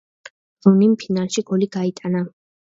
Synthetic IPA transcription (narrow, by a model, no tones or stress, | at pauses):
zunimpʰinalˠʃiɡɔliɡ̥ait̪ʼana